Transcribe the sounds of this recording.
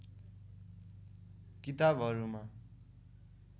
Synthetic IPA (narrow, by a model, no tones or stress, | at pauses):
kit̪abʱɦʌɾuma